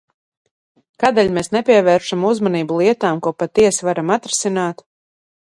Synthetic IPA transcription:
kaːd̪ɛːlʎʲmɛːsnɛpʲiɛvɛːɾʃamuzmaniːbulˠiɛt̪aːmkuɔpat̪iɛsivaɾamat̪ɾɪsinaːt̪

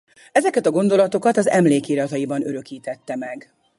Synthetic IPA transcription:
ɛzɛkɛt̪ɒɡo̞nd̪o̞lɒt̪okɒt̪ɒzɛ̰mleːkiːɾɒt̪ɒjibɒnø̞ɾø̞kiːt̪ɛt̪ːɛmɛɡ

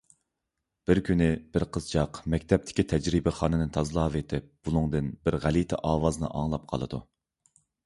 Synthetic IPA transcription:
b̥ɪɾkʲʰynɪb̥ɪɾqʰəzt͡ʃʰɑqmɛkʲt̪ʰɛp̚t̪ʰɪ̥kʲit̪ʰɛd͡ʒɾibɪχɑːnɨnɪt̪ʰɑzlˠɑːvet̪ʰɪp̚b̥ulˠʊŋd̪ɨnbɪɾʁælit̪ʰɛ̰ʔɑːwɑzɨnɨ̰ʔɑŋlˠɑp̚qʰɑ̰lˠɨd̪ṵ

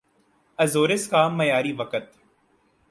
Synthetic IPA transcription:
ɐzoːɾɪskaːmːɐjaːɾiːʋɐkət̪

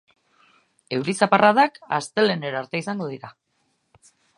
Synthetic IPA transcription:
e̞wɾisaparaðaka̰st̪e̞le̞neɾaɾt̪eisaŋɡo̞ðiɾa

